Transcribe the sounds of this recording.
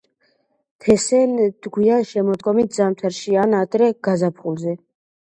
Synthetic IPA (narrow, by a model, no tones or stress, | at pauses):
t̪ʰɛsɛnd̪̥ɡwianʃɛmɔd̪ɡɔmit̪̚zamt̪ʰaɾʃianad̪ɾɛɡ̥azapʰχulzɛ